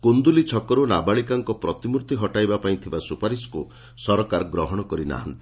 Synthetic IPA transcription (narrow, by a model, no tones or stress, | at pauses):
kund̪ulit͡ʃʰɔkɔɾunabaɭikaŋkɔpɾɔt̪imuɾt̪iɦɔʈajbapaĩt̪ʰibasupaɾisku | sɔɾɔkaɾɔɡɾɔɦɔɽ̃ɔkɔɾina̰ɦani